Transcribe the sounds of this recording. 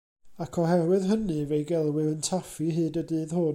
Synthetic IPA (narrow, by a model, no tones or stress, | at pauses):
akʰɔɦɛɾwɨðɦənɨvejɡɛlˠwɪəntʰafiɦɨːdədɨːðhʊn